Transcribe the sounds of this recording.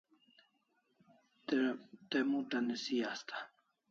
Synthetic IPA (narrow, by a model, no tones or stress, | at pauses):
t̪emuʈ̪anesijast̪ʰḁ